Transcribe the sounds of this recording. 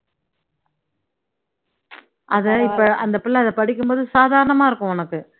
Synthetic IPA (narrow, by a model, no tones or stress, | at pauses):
ʔɐðɛɪpːɐɐnd̪ɐpːɪlːɐɐðɐpɐɽɪkːɯmpoːðɯsaːðaːɾɐɳɐmaːɪɾɯkːʊ̃ɔnɐkːɯ